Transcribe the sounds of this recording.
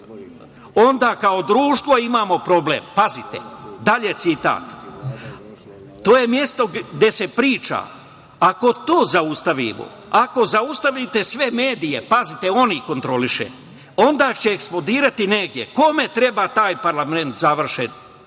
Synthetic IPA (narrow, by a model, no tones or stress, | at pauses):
o̞nd̪aːkao̞d̪ɾuːʃt̪ʋo̞imaːmo̞pɾo̞blḛːmpazit̪ḛd̪aʎe̞t̪sit̪a̰ːt̪ | t̪o̞ːje̞mje̞st̪o̞ɡd̪e̞se̞pɾiːt͡ʃa̰ː | ako̞t̪oːzaust̪aʋḭmo̰ | ako̞zaust̪aʋit̪e̞sʋe̞meːd̪ije̞pazit̪eo̞niko̞nt̪ɾo̞liʃḛ | o̞nd̪aːt͡ɕe̞ːksplod̪iːɾat̪ineɡd̪je̞̰ko̞me̞t̪ɾe̞bat̪aːjpaɾlame̞nt̪zaʋr̩ʃen